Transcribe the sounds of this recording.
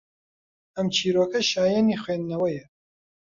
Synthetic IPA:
ɐmt͡ʃʰiːɾoːkɐʃaːjɛnixweːnd̪nɐwɐjɐ

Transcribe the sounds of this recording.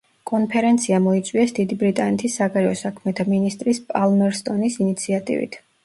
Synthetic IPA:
kʼɔnpʰɛɾɛnt̪sʰiamɔit̪sʼwiɛsd̪id̪ibɾit̪ʼanɛt̪ʰisːaɡaɾɛɔsakʰmɛt̪ʰaminist̪ʼɾispʼalmɛɾst̪ʼɔnisinit̪sʰiat̪ʼḭvḭt̪ʰ

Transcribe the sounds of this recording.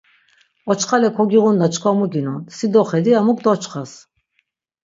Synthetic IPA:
ɔt͡ʃχalɛkʰɔɡiʁund̪at͡ʃʰkʰwamuɡinunsid̪ɔχɛd̪iamuk̚d̪ɔt͡ʃχas

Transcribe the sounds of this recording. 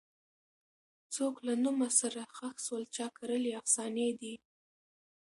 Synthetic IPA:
t͡soklanumasaɾaxaxswəlt͡ʃɑkaɾəleafsɑned̪i

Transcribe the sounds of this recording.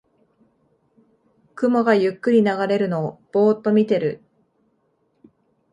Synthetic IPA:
kɯ̟mo̞ɡajɯ̟kːɯ̟ɾʲinaɡaɾe̞ɾɯ̟no̞ːb̥o̞ːt̪ːo̞mʲit̪e̞ɾɯ̟

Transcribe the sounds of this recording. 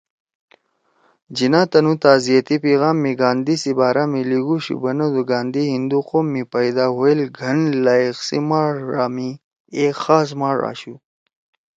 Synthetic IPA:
d͡ʑinaːt̪ɐnut̪aːzijɐt̪ipiːɣaːmːiɡaːnd̪isibaːɾaːmiliɡuɕṵbɐnɐd̪uɡaːnd̪ihind̪uqoːmːipɐjd̪aːɦoelɡʱɐnlaːixsḭmaːʐːaːmi | exaːs̬maːʐa̰ːɕu

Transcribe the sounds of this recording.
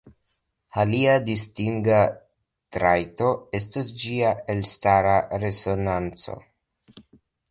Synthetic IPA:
aliadistiŋɡa | tɾajto̞e̞stasd͡ʒiae̞lstaɾaɾe̞so̞nant͡so̞̰

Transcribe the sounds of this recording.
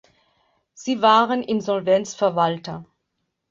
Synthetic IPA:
z̥iːvaːʁənʔɪnzɔlvɛnt͡sfɛɐvaltɐ

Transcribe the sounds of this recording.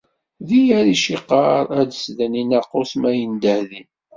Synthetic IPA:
ðijæɾiʃiqɑɾˤæd̪əsðæninæqːosmæjənd̪əhðin

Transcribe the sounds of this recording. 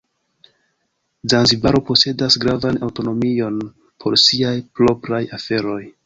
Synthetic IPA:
zanzibaɾo̞po̞se̞dasɡɾavanawto̞no̞mio̞n | pʰo̞ɾsiajplo̞pɾajafe̞ɾo̞j

